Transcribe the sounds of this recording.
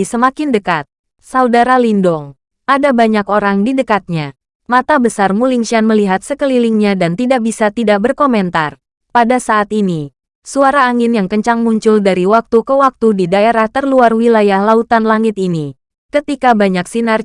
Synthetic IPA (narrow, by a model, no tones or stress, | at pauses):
səmakɪndəkat̪̚ | saudaɾalindɔŋ | adabaɲakoɾaŋdidəkat̪̚ɲa | mat̪abəsarmuliŋʃianməliɦat̪̚səkəliliŋɲadant̪idak̚bisat̪idak̚bərkomɛnt̪ar | padasaʔːt̪ini | suaɾaːŋɪnjaŋkəɲt͡ʃaŋmuɲt͡ʃʊldaɾiwak̚t̪ukəwak̚t̪udidaeɾaht̪ərluarwilajahlaut̪anlaŋɪt̪ini | kət̪ikabaɲaksinar